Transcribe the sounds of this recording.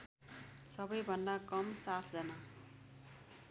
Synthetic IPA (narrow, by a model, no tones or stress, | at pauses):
sʌbʌjbʱʌnd̪akʌmsat̪ʰd͡zʌna